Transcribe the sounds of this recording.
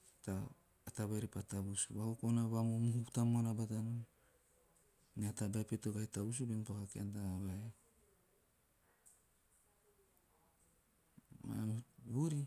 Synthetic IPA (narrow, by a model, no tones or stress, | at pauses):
ta | ataβaɾipatabusuβakokonaβamomuhutamoanabatanon | neatabajpetoɡajtabus̬ubenpakakeantaβae | ma̰βuɾi